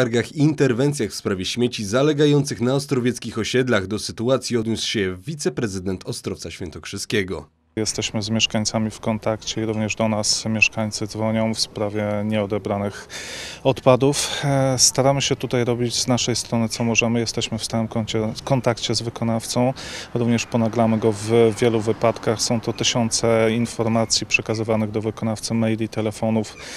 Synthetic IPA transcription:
aɾɡaxiːnt̪ɛɾvɛnt̪sʲjaxfspɾavʲjɛɕmʲet͡ɕizalɛɡajɔnt̪sɘxnaɔst̪ɾɔvʲjɛt̪skʲixɔɕɛd̪laɣd̪ɔsɘt̪uat̪sʲjiɔd̪ɲusɕɛvʲit̪sɛpɾɛzɘd̪ɛnt̪ʰɔst̪ɾɔft̪saɕfʲɛ̰nt̪ɔkʂɘskʲɛɡɔ̰ | jɛst̪ɛɕmɘzmʲjɛʂkaɲt̪samʲifkɔnt̪akt͡ɕɛiɾuvɲɛʐd̪ɔnasmʲjɛʂkaɲt̪sɘd̪zvɔɲɔ̃w̃fspɾavʲjɛɲɛɔd̪ɛbɾanɘxɔt̪pad̪ufst̪aɾamɘɕɛt̪ut̪ajɾɔbʲid͡ʑznaʂɛjst̪ɾɔnɘt̪ɔmɔʐɛmɘjɛst̪ɛɕmɘfst̪awɘmkɔɲt͡ɕɛkɔnt̪akt͡ɕɛzvɘkɔnaft̪sɔ̃w̃ɾuvɲɛʂpɔnaɡɾamɘɡɔvvʲjɛluvɘpat̪kaxsɔ̃w̃t̪ɔt̪ɘɕɔnt̪sɛinfɔɾmat̪sʲjipʂɛkazɘvanɘɣd̪ɔvɘkɔnaft̪sɘmɛjlʲit̪ɛlɛfɔnuf

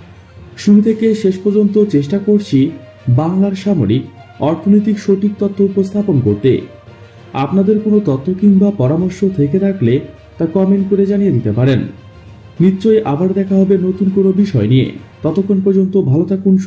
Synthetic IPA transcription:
ʃuɾut̪ʰekeʃeʃpɔɾd͡ʑont̪ot͡ɕeʃʈakoɾt͡ɕʰi | baŋlaɾʃamo̰ɾikɔɾt̪ʰonojt̪̬ikʃoʈik̚t̪ɔt̪ʰːoupost̪ʰaponkoɾt̪ḛ | a̰pnad̪eɾkonot̪ɔt̪ʰːokiŋbapɔɾamoɾʃot̪ʰeket̪ʰakle | t̪akɔmeɳʈkoɾed͡ʑanijed̪it̪epaɾenː | itːɕoeʔabaɾd̪ɛkʰaɦɔbenot̪unkonobiʃɔeniḛt̪ɔt̪okʰːonpɔɾd͡ʑont̪obʱalot̪akunʃ

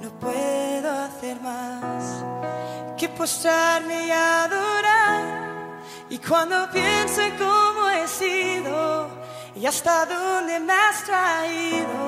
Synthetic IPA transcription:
nõpweðoaθeɾmas | kepost̪ɾaɾmejaðoɾaɾ | ikwãnd̪opjenseŋkomoesiðo | iast̪aðond̪emast̪ɾaiðo

